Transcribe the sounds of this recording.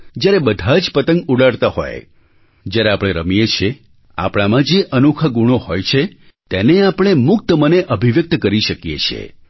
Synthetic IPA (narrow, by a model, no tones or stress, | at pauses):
d͡ʒjaɾebəd̪ʱad͡ʒpət̪əŋɡuɽaɽt̪aɦo̰j | d͡ʒjaɾeapɽ̃eɾəmijet͡ʃʰe | a̰pɽ̃amãd͡ʒeʔənukʰəɡuɽ̃ohojt͡ʃʰe | t̪eneapɽ̃emʊk̚t̪əməneʔəbʱiʋjək̚t̪kəɾiʃəkjḛt͡ʃʰḛ